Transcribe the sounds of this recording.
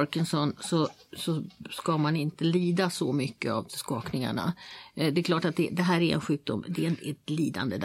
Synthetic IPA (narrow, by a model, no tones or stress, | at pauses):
ɾkənsɔnsɔ | sɔskamanɪnt̪əliːd̪asɔmʏkːəa̰vskɑːknɪŋa̰ɳa̰d̪ɛkʰlɑːʈat̪̚d̪ɛd̪ɛɦæːɾæɾɛ̰nɧʉ̟ːk̚d̪ʊmd̪ɛnɛt̪liːd̪a̰nd̪əd̪